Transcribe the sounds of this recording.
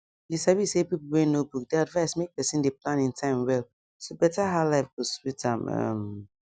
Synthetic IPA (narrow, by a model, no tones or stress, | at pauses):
jisabisepipl̩wɛ̃nobuk̚deadvaɪsmek̚pɛsĩndeplãnĩntʰãɪ̃mwɛlˠ | sobɛtaɦalaɪfɡoswitʰãmʌ̰m